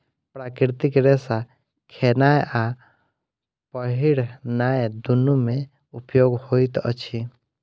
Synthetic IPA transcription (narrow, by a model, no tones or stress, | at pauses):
pɾakɪɾt̪ikɾesa | kʰenajeʔa | pəɦiɽnajd̪unumẽ | upjoːɡhoit̪ə̰t͡ʃʰi